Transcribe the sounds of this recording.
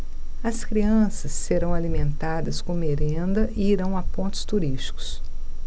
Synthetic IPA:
ɐskɾiɐ̃sɐsːeɾɐ̃w̃alimẽnt̪ad̪ɐskõmeɾẽnd̪ɐʔɪiɾɐ̃w̃ɐpõnt̪ʊ̥st̪uɾist͡ʃi̥kʊ̥s

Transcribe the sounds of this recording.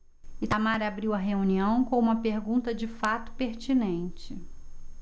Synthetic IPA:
ɪt̪amaɾabɾiwɐɦeuniɐ̃w̃kõũmɐpeɾɡũnt̪ɐd͡ʒɪfat̪ʊ̥peɾt͡ʃinẽnt͡ʃɪ

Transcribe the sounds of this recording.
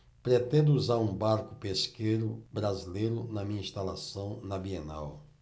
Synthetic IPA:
pɾet̪ẽnd̪ʊuzaɾũbaɾkʊ̥peskejɾʊbɾazilejɾʊnɐmĩɲɐĩst̪alasɐ̃w̃nɐbiena̰w

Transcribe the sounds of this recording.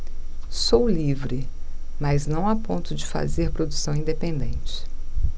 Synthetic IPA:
sowlivɾɪ | mɐznɐ̃w̃apõnt̪ʊd͡ʒɪfa̰zeɾpɾod̪usɐ̃w̃ĩnd̪epẽnd̪ẽt͡ʃɪ̥

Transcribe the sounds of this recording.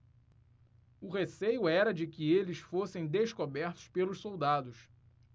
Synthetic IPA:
ʊɦesejʊɛɾɐd͡ʒɪkɪelɪsfosẽj̃d̪eʃkobɛɾt̪ʊ̥ʃpelʊʃsowd̪ad̪ʊs

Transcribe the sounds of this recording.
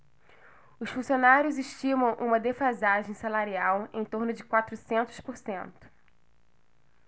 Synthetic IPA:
ʊsfũsionaɾjʊzɪʃt͡ʃĩmɐ̃w̃ʔṵ̃mɐd̪efazaʒẽj̃salaɾiawḛ̃j̃t̪oɾnʊd͡ʒɪkwat̪ɾʊsẽnt̪ʊ̥spoɾsẽnt̪ʊ̥

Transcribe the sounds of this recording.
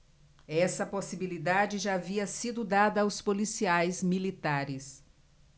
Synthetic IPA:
ɛsɐposibilid̪ad͡ʒɪʒaːviɐsid̪ʊd̪ad̪ɐːwspolisiajzmilit̪aɾɪs

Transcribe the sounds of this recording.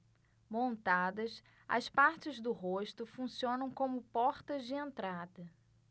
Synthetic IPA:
mõnt̪ad̪ɐs | ɐ̰spaɾt͡ʃɪzd̪ʊɦoʃt̪ʊfũsiõnɐ̃w̃kõmʊpɔɾt̪ɐzd͡ʒɪẽnt̪ɾad̪ɐ

